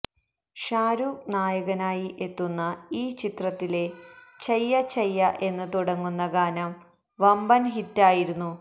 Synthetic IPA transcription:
ʂaːɾuːknaːjɐɣɐnaːjiʔe̞t̪ːunːɐiːt͡ɕit̪rɐt̪ːile̞t͡ɕejːɐt͡ɕejːɐʔe̞nːɨt̪uɽɐŋːunːɐɡaːnɐm | ʋɐmbɐnɦitːaːjiɾunːu

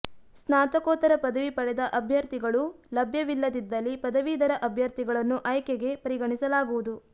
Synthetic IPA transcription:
snaːt̪ɐkɔːt̪ɐɾɐpɐd̪ɐʋipɐɽɛd̪ɐʔɐbʱjɐɾt̪iɡɐɭulɐbʱjɐʋilːɐd̪id̪ːɐlːipɐd̪ɐʋiːd̪ɐɾɐʔɐbʱjɐɾt̪iɡɐɭɐnːuʔɐjkɛɡe̞pɐɾiɡɐɳisɐlaːɡuʋud̪u

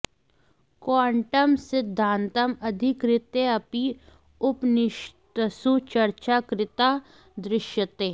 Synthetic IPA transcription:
kwaːɳʈəmsɪd̪ʱːãːnt̪ɐmɐd̪ʱɪkɾɪt̪eɐpi | ʊpnɪʃt̪əsut͡ʃɐɾt͡ʃakɾɪt̪a | d̪ɾɪʃjət̪eː

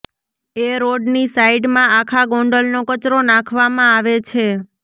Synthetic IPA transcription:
eɾoɖnisaiɖmãakʰaɡɔ̃ɳɖəlnokət͡ʃɾonãkʰʋamãaʋet͡ʃʰe

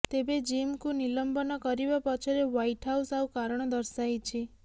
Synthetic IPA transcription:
t̪ebed͡ʒimkunilɔmbɔnɔkɔɾibapɔt͡ʃʰɔɾewajʈɦawsawkaɾɔɽ̃ɔd̪ɔɾsajt͡ʃʰi

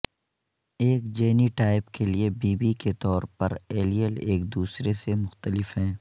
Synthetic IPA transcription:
eːkd͡ʒeːniʈaːɪpkeliebiːbiket̪ɔːɾpɐɾeːlijəleːkd̪uːsɾesemʊxt̪əlɪfɦɛ̃ː

